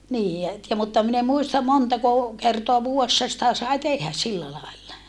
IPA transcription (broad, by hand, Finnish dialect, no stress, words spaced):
niː jɑ et jɑ mutːɑ min em muistɑm montɑko kertoɑ ʋuːesːɑ sitæ sɑi tehːæ silːæ lɑelːɑ